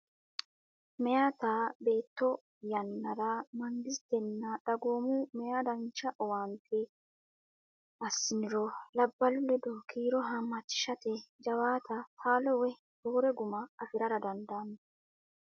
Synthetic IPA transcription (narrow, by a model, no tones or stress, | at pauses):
mɛjaːt̪aːbe̞ːt̪ːɔ | jɐnːɐɾɐmɐnd̪ɪst̪ɛnːɐᶑɐɡo̞ːmʊmɛjad̪ɐnt͡ʃɐʔɔwaːnt̪ʰɛ | ɐsːɪnɪɾɔlɐbːɐlʊlɛd̪ɔkʰiːɾɔɦɐmːɐt͡ʃːɪ̥ʃɐt̪ɛd͡ʒɐwaːt̪ʰɐt̪ʰaːlɔwɛ | boːɾɛɡʊmɐɐfɪɾɐɾɐd̪ɐnd̪anɛ